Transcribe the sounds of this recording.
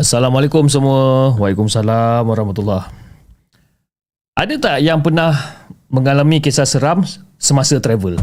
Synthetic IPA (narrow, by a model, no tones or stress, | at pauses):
asalamalekʊms̬əmuəwalikʊmsalamwaɾahmat̪ulːah | ʔadat̪aʔjaŋpərnahmə̃ŋalamĩkesasəɾamsəmasət̪ɾɛvəl